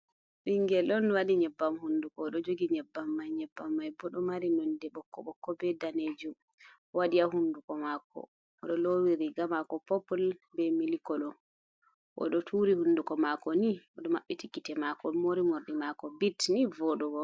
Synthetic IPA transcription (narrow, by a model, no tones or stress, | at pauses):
siŋɡɛlɔnwaɗiɲɛbːamhundukɔɗɔd͡ʒoɡiɲɛbːamːajɲɛbːamːajbɔɗɔmaɾinɔndɛɓɔkːɔ̰ɓɔkːɔbɛdaned͡ʒum | waɗiaɦundukɔmakɔ̰ | ɔɗɔlowiɾiɡamakɔpɔpɔlbɛmilikɔlɔ | ʔɔ̰ɗɔtʰuɾihundukɔmakɔniɔɗɔmaɓːitikːitɛmakɔmoɾimoɾɗimakɔbitnivɔɗɔɡɔ